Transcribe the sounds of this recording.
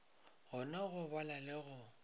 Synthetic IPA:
ɣʊnaɣʊbalalɪɣʊ

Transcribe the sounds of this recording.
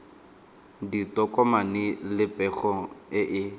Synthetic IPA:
ditɔkʼɔmanɪlɪpʼɛχɔɪʔɪ

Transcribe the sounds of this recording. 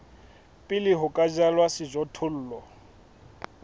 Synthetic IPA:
pʼɪlɪɦʊkʼad͡ʒalwasɪʒɔtʰʊl̩ːlɔ

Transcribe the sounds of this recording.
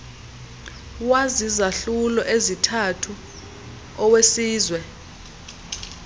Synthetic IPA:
wazizaɬulɔʔezitʰatʰu | ɔwesiːzwɛ

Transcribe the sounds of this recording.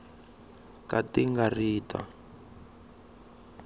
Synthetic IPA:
katiŋɡariːta̰

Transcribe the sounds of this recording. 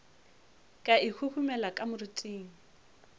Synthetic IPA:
kʼaikʰuhʰumɛlakʼamʊritʼiːŋ̩

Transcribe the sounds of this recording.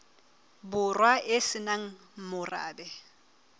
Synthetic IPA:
bʊrwaʔɪsɪnaŋ̩ | mʊra̰ːbɛ

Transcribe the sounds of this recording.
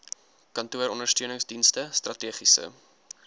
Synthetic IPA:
kɐntuəɾɔndərstøənəŋsdinstəstrɐtiəχisə̰

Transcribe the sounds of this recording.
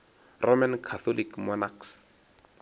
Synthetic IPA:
rɔmankʰaθʰɔlikmɔnaks

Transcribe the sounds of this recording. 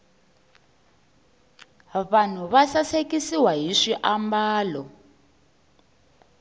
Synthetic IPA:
βan̤uβasasekisiwaɦiʂiʔambaːlɔ

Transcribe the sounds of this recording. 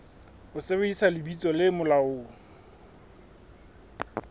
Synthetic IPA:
ʊsebeisalɪbit͡sʼɔlɪmʊlaʊ

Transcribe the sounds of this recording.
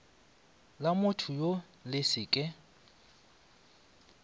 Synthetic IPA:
lamʊtʰʊjo | lɪsɪːkʼɪ

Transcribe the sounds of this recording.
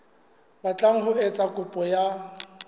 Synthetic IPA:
bat͡ɬʼaŋ̩ɦʊɛt͡sʼakʼʊpʼɔja

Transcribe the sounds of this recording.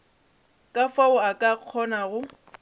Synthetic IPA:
kʼafaʊakʼaq͡χʰɔnaɣʊ

